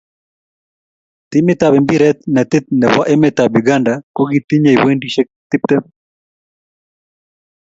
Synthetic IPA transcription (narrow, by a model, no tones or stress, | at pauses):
t̪imet̪aβɛmbiɾɛt̪̚nɛt̪ɪt̪̚nɛβaʔemɛt̪abiɡandakoɡit̪iɲajwendiʃɛk̚t̪ɪp̚t̪ɛp